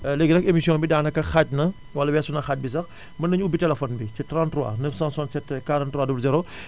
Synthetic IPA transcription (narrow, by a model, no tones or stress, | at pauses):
leɡnɐkemisjɔ̃ːmbidaːnɐkːɐxaːc̚nɐ | wɐlːɐwɛːsunɐxaːc̚bis̬ɐx | mɐnɐɲubitɛlɛfɔnbicɛtɾãːntruwa̰ːnɐsãːsaːnsɛtːkaːɾɔ̃ːntːɾuwaːdublzɛɾo